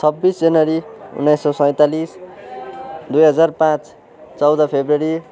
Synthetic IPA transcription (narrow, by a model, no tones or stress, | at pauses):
t͡sʰʌbːisd͡zʌnʌɾiṵnːajsːʌsʌj̃t̪alis | d̪ujɦʌd͡zarpãt͡s | t͡sʌwd̪ʌpʰebrʌɾi